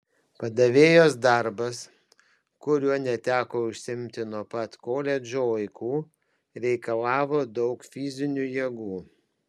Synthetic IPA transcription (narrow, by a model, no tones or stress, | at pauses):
pɐd̪ɐʋʲeːjoːs̬d̪ɐɾbɐs | kʊɾʲuɔnʲɛt̪ʲæːkoːʊʃʲsʲɪmʲt̪ʲɪnuɔpɐt̪koːlʲɛd͡ʒʲoːɐɪkuː | ɾʲɛɪkɐlˠɑːʋoːd̪ɒʊkfʲɪzʲɪnʲujiɛɡuː